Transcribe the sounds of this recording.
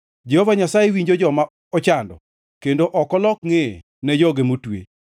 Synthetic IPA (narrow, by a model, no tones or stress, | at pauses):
d͡ʒɛhovaɲasajewiɲd͡ʒod͡ʒɔma | ɔt͡ʃandɔ̰ | kendoʔɔkɔlɔkŋe | nɛd͡ʒɔɡemotwḛ